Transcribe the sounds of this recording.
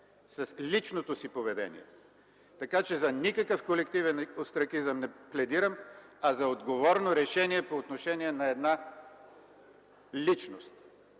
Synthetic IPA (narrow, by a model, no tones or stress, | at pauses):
sɐslʲit͡ʃnot̪osipovɛd̪ɛ̰nḭɛ̰ | t̪ɐkat͡ʃɛzɐnʲikəkəfkolɛkt̪ivɛnost̪ɾɐkizəmnɛplɛd̪iɾəmɐzɐod̪ɡovɔɾnoɾɛʃɛniɛpoːt̪noʃɛniɛnɐɛd̪na | lʲit͡ʃnost̪